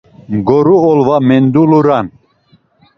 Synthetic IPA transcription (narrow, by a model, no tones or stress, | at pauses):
ɡɔɾuɔlvamɛnd̪uluɾan